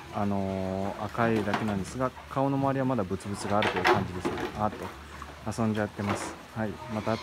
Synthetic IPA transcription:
ano̞a̰kaid̪ake̞nãnd̪e̞sɨɡakao̞nomaβaɾʲiβamad̪abɯ̟t͡sɨbɯ̟t͡sɨɡaːɾɯ̟t̪o̞jɯ̟kãɲ̟d͡ʑid̪e̞sɨ̥kaeat̪ːo̞ | asõɲ̟d͡ʑat̪ːe̞masɨ̥ | haimat̪a

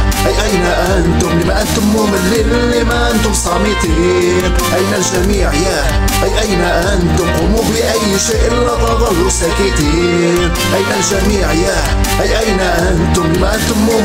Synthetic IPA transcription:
ʔajʔajnaʔant̪ʊmlimaʔant̪ʊmːumɪnli | lːimaʔant̪ʊmsˤɑːmɪt̪iː | n | ʔajnalʒamiːʕjaː | ʔajʔajnaʔant̪ʊmqumufiʔajːʃeːʔɪlːɑɣˤɑðˤɑlːusakɪt̪iː | n | ʔajnalʒamiːʕjaː | ʔajʔajnaʔant̪ʊmlimaʔant̪ʊmːuː

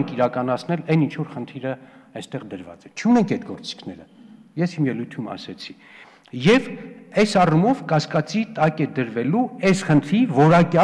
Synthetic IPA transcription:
ŋkʰiɾɑkɑnɑt͡sʰnɛlɛnint͡ʃʰvɔɾχənt̪ʰiɾəɛst̪ɛʁd̪əɾvɑ̰t͡sɛt͡ʃʰunɛŋkʰɛt̪ɡɔɾt͡si̥kʰnɛɾəjɛshimjɛlujt̪ʰumɑ̰sɛt͡sʰi̥ | jɛvɛsɑrumɔvkɑskɑt͡sit̪ɑkɛd̪əɾvɛluɛsχənt̪ʰɾivɔɾɑkjɑ

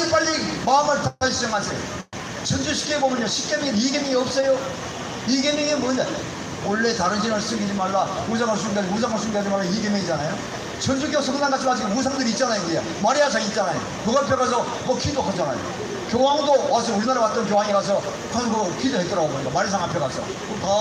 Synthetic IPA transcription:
ip͈aʎːimamɯɭpoas͈ʰid͡ʑaŋad͡ʑe | t͡ɕʰʌnd͡ʑuɕʰi̥k͈ʰebomjʌɲoɕʰi̥k͈emiŋiniɡemiŋiʌp̚s͈ʌjo | iɡemeŋinmone | wʌɭːe̞taɾɯnt͡ɕʰiaɭsʰs͈ʌɡid͡ʑimaɭɡaus̬ʰaŋɦaɭs̬͈umɡead͡ʑius̬ʰaŋɦaɭs͈unɡead͡ʑimaɭɡaiɡemeŋid͡ʑanajo | t͡ɕʌnd͡ʑukjosʰʌɡnanɡat͡ɕʰimad͡ʑʰius̬ʰaŋdɯɾit̚t͡ɕ͈anajoɡijo | maɾiasʰaŋit̚t͡ɕ͈anajo̰ | kuɡapʰjʌɡas̬ʰʌ | mʌkʰidokʰat͡ɕ͈ana̰jo̰ | kjoɦaŋdowasʰʌuɾinaɾawat̚t͈ʌnk̬joɦaŋiɡas̬ʰʌ | hanɡɯkʰidoɦet͈ʌɾaɡoboɲidamaɾisʰaŋɦapʰjʌɡasʰʌ̰ | ota

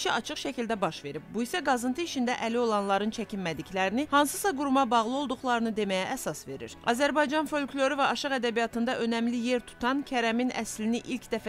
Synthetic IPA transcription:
ʃiɑt͡ʃʰɯχʃæcild̪æbɑʃve̞ɾib̚buisæɡɑzɯnt̪ʰɯiʃind̪æʔælio̞lˠɑnlˠɑɾɯnt͡ʃʰæcʰinmæd̪iclæɾinihɑnsɯsɑɡuɾumɑbɑʁlˠɯo̞lˠd̪uχlˠɑɾɯnɯd̪e̞mæjæʔːsɑsve̞ɾḭɾɑ̰zæɾbɑjd͡ʒɑnfo̞lʲkʰʲlʲo̞ɾyvæɑʃɯʁæd̪æbijɑt̪ʰɯnd̪ɑʔø̞næmlije̞ɾt̪ʰu̥t̪ʰɑncʰæɾæminʔæ̰sliniʔilcʰd̪æfæ

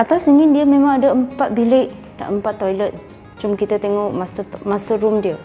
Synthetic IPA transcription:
ʔat̪asəŋɪndiəmẽmãŋadəəmpat̪̚bileʔ | na̰ʔəmpat̪ːojlət̪̚ | t͡ʃʊmkit̪at̪eŋɔʔmasmasəɾumdiə

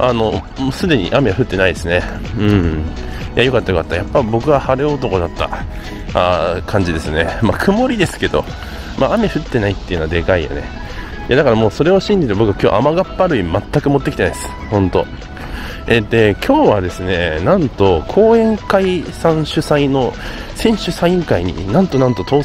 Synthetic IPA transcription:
ʔano̞ | msɨd̪e̞ɲ̟ḭʔameβaɸɯ̟t̪ːe̞naid̪e̞sɨne̞ɯ̟̃ɴ | jajo̞kat̪ːajo̞kat̪ːajapːaibo̞kɯ̟βahaɾɯot̪o̞ko̞d̪at̪ːa̰ | kʰãɲ̟d͡ʑid̪e̞sɨne̞makʰɯ̟mo̞ɾʲid̪e̞sɨ̥ke̞d̪o̞̰ | maːme̞ɸɯ̟t̪ːe̞nait̪ːe̞jiɯ̟noad̪e̞kaija̰ne | jad̪akaɾamo̞ːso̞ɾe̞o̞ɕĩɲ̟d͡ʑit̪ebo̞kɯ̟akʲo̞̰ːʔamaɡapːaɾɯ̟imat̪ːakɯ̟mo̞t̪ːekʲit̪enajd̪esɨ̥hõ̞nt̪o̞̰ | ed̪e̞kʲʰo̞ːβad̪e̞sɨne̞nãnt̪o̞kʰo̞ːẽ̞ŋkaisãɰ̃ɕɨsaino̞sẽ̞ɰ̃ɕɨsaiĩŋkaiɲ̟ḭnãnt̪o̞nãnt̪o̞t̪o̞ː

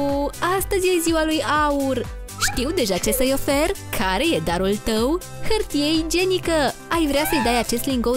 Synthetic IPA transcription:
ast̪əzʲjeziwalujaur | ʃt̪iwd̪e̞ʒat͡ʃe̞səjo̞fe̞rkʰaɾe̞je̞d̪aɾult̪əw | hərt̪ije̞jd͡ʒe̞nikəajvɾeasəjd̪ajat͡ʃe̞st̪liŋɡo

